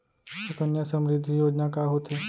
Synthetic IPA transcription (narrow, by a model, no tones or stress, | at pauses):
ɐkənjasəmɾɪd̪ʱːijoːd͡ʒnakaɦot̪ɦeː